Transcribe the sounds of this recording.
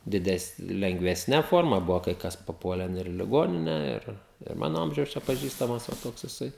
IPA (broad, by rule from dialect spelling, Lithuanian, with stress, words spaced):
dʲɪˈdʲɛsn lʲɛŋɡʋʲɛsʲˈnʲɛ ˈfoːrmɐ ˈbʊʋoː kɐɪ ˈkɐs pɐˈpuɔlʲɛn ɪr ɪ lʲɪˈɡoːnʲɪnʲɛ ˈɪr ɪr ˈmɑːnoː ˈɐmʲʒʲɛʊs t͡ʃʲɛ pɐˈʒʲiːstɐmɐs ʋɐ ˈtoːks jɪˈsɐɪ